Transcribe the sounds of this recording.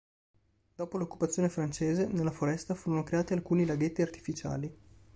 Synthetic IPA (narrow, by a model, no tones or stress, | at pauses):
d̪̥ɔːpolokːu̥pat̪sːjoːnefɾant͡ʃeːzenelːafoɾɛst̪afuːɾonokɾeaːt̪ialkuːnilaɡet̪ːiart̪i̥fit͡ʃa̰ːli